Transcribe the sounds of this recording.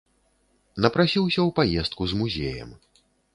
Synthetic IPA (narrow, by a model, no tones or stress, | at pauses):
nɐpɾasʲiwsʲɐwpajɛst̪̚kuzmuzʲejɐ̰m